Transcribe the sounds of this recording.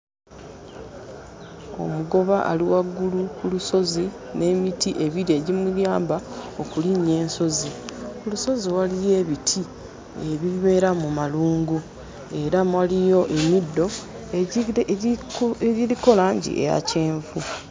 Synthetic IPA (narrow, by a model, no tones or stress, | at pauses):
o̞̰muɡo̞βaʔaliwaɡːulukuluso̞zi | ne̞mitiʔe̞βiɾie̞ɟimuɾjaːmbao̞kuliɲe̞ːnso̞zikuluso̞ziwalije̞ːβitʰi | eβiβe̞ːɾamumaluːŋɡu | e̞ɾamwalijo̞ʔe̞midːo̞ | iɾiko̞laːɲɟḭʔḛja̰ce̞ːɱvu